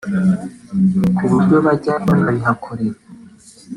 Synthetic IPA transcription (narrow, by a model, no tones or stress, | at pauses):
kʰuβuɾɟo̞βaɟaβanaβiɦakʰoɾeɾa